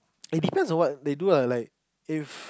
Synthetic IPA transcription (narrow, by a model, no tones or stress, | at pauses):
it̚dipɛ̃nsɔ̃nwɔt̚dedulalaɪk̚ | if